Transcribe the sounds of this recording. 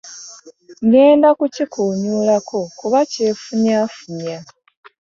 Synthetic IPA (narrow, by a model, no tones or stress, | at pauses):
ŋɡe̞ːndakucikʰuːɲuːlakʰo̞kuβace̞ːfuɲaːfuɲa